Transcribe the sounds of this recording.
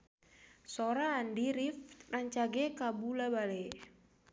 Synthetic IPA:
soɾaːndiɾifraɲt͡ʃaɡɛkabulabalɛ

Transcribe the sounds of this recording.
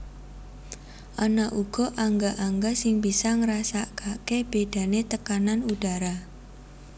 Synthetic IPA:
ʔanaʔuɡ̥ɔ̤ʔaŋɡaʔaŋɡasɪŋbisɔŋəɾasakakeb̥ed̥a̤net̪əkananuɖ̥aɾa

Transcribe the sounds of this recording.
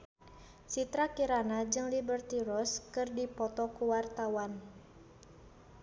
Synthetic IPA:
sit̪ɾakiɾanad͡ʒɨŋlibərt̪iɾɔskɨrdipɔt̪ɔkuwart̪awan

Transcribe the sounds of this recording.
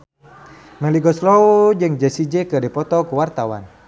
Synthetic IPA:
mɛliɡɔslɔud͡ʒɨŋd͡ʒɛsid͡ʒɛkədipɔt̪ɔkuwart̪awa̰n

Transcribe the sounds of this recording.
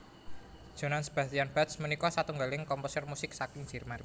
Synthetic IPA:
d̥ʒ̥o̤nansəb̥atijanb̥at̪smənikɔsat̪uŋɡalɪŋkɔmposərmusɪk̚sakɪŋ̥d͡ʒ̥i̤rmar

